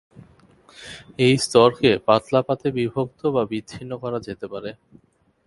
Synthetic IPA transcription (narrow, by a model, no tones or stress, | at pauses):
ejst̪ɔɾkepat̪lapat̪ebibʱok̚t̪obabidːʰinːokɔɾad͡ʑet̪epaɾe